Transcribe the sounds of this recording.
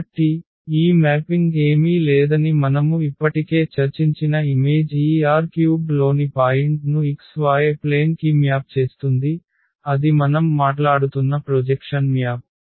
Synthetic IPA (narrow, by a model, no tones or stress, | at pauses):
ɐʈːi | iːmaːpiŋɡɡe̞ːmilɛːd̪ɐnimɐnɐmuipːɐʈike̞ːt͡ʃɐɾt͡ʃiɲt͡ʃinɐimeːd͡ʒiːaːɾkjuːɡlo̞ːnipaːjiɳʈnuiksʋaːjeple̞ːnkiːmjaːp̚t͡ʃe̞ːst̪und̪i | ɐd̪imɐnɐmːaːʈlaːɽut̪unːɐpɾod͡ʒekʂɐnmjaːp̚